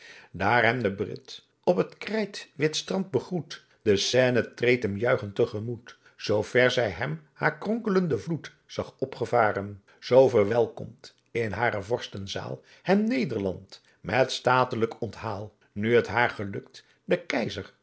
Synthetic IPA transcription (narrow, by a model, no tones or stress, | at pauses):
daːɹɦɛmdəbrɪ̰t | ɔpɦətkrɛjtʋɪtstrɑnd̚bəχrut | d̥əsɛːnətrejtɦɛmjœɥχəntəχəmut | z̥owv̥ɛɹzɛjɦɛmhaːɹkrɔŋkələndəvlut | z̥ɑχɔpχəvaːrən | z̥owvəɹʋɛlˠkɔ̰mt | ɪnɦaːɾəvɔɹstənza̰ːlˠ | hɛmnejdəɹlɑnt | mɛtstaːtələkɔnthaːlˠ | nyɦətɦaːɹχəlɵkt | dəkɛjzəɹ